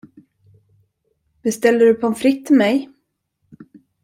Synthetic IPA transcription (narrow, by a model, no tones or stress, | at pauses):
bɛst̪ɛlːəɖɵpʰɔɛnfɾɪt̪ʰːɪlmɛj